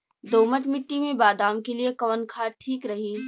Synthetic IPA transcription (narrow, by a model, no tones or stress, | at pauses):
d̪oːmət̪mɪʈːimẽbaːd̪aːmkeliekɐʋənkʰaːʈʰiːkɾɐɦĩː